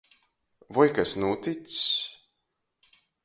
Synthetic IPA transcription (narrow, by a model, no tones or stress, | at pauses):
vɔjkasnuːt̪it̪s